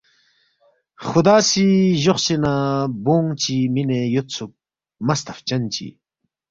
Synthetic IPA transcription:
χud̪aːsiʑoχsinaboŋt͡ɕiminejot̪t͡sʰuk̚ | mɐst̪ʰɐft͡ɕɐnt͡ɕḭ

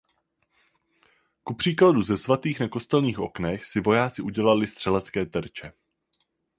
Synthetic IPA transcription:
kupr̝̥iːkladuzɛsvat̪iːxnako̞st̪ɛlɲiːxʔo̞knɛxsɪvo̞jaːt͡sɪʔuɟɛlalɪst̪r̥ɛlɛt͡skɛːt̪ɛɾt͡ʃɛ

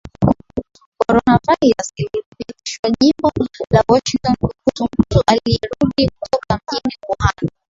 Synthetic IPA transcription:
kɔɾɔnavaiasiliɾipiti̥ʃwaʄimbɔlawɔʃiŋtɔnkukuum̩tuʔaliɛɾuɗikutʰɔkam̩ʄinikɔhana

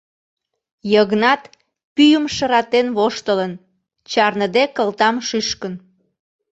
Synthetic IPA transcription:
jəɣnɑt̪ | pyjəmʃəɾɑt̪enβoʃt̪ələn | t͡ɕɑrnəd̪ekəlt̪ɑmʃyʃkən

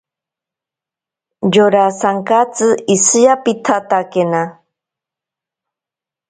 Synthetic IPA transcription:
joɾasaŋkat͡sɨisɨjapit̪ʰat̪akena

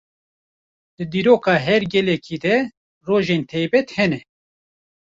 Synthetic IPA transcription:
d̪̥ɨd̪iːɾoːkɑːɦɛɾɡɛlɛkʰiːd̪ɛ | roːʒeːnt̪ʰɛjbɛt̪hɛnɛ

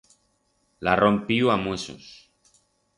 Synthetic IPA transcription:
larompiuamweso̰s

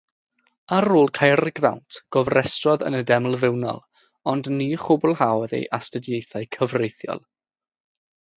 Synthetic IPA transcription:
aɾoːlˠkʰajrɡra̰wntʰɡ̥ɔvrɛstrɔðə̰nədɛml̩ˠvɪwnɔ̰lˠ | ɔndniːχʊbʊlˠhawðḛjʔastədjejθajkʰəvrejθjɔ̰lˠ

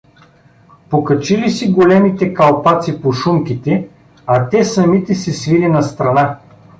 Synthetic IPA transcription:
pokɐt͡ʃilisiɡolɛmit̪ɛkɐlˠpat̪sipoʃumkʲit̪ɛ | ɐt̪ɛsɐmit̪ɛsɛsvilinɐst̪ɾɐna

